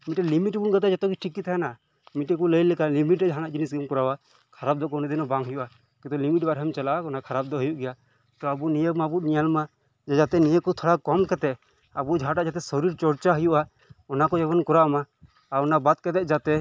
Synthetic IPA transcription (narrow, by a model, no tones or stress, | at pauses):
miʈɛlimiʈbunɡat̪̬ɛd͡ʒat̪ɔɡiʈʰikːit̪ʰajana | miʈɛkuləjlɛkalimiʈɾɛd͡ʒɦanaʔd͡ʒinisɡəmkɔɾawa | kʰaɾap̚d̪ɔkɔnid̪inɔbaŋɦəjuʔa | kĩt̪ɔlimiʈ̚baɾɦɛmt͡ʃalaakɔnakʰaɾab̚d̪ɔɦəjuʔɡɛja | t̪ɔabunijəbmabutnijalma | d͡ʒɛd͡ʒat̪ɛnijəkɔt̪ʰɔɽakɔmkat̪ɛʔ | abud͡ʒʱaʈaʔd͡ʒat̪ɛsɔɾiɾt͡ʃɔɾt͡ʃaɦəjuʔa | ɔnakɔd͡ʒɛbɔnkɔɾaʔma | aɾɔnabat̪̚kɛt̪ɛʔ̚d͡ʒat̪ɛ